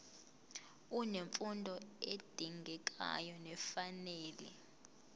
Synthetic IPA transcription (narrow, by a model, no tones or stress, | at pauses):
uneɱfundʱɔed̥ʱiŋɡʱɛk̬ʼa̰jɔnɛfaneːlɛ̰